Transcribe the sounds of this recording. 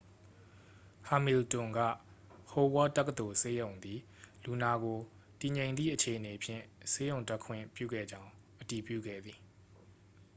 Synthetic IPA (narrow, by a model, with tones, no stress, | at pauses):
ha˨mi˨ltʊ̃˨ŋɡä̰˦˨ho˨wɔ˦tɛ˦kə˨t̪o˨se˦jõ˨ʊ̃nd̪i˨ | lu˨na˨ɡo˨ | ti˨ɲẽ˨ɪ̃nd̪ðḭ˦˨ʔət͡ɕʰe˨ʔəne˨pʰjɪ̰̃˦˨se˦jõ˨ʊ̃nta˦kʰwɪ̰̃˦˨mpjṵ˦˨ɡɛ̰˦˨d͡ʑã˦ʊ̃ | ʔəti˨pjṵ˦˨ɡɛ̰˦˨d̪ði˨